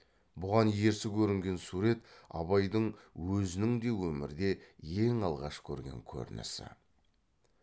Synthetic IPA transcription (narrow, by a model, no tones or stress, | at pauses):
bʊʁɑnje̞ɾsɪkʲʰɵɾɪŋɡʲe̞nsuɾe̞t̪ɑ̰βɑjd̪əɴwɵzɪnɪŋd̪e̞wɵmɪ̰ɾd̪e̞je̞ŋɑlˠʁɑʃkʲʰɵ̰ɾɡʲe̞̰ŋkʲʰɵ̰ɾnɪ̰sɪ̰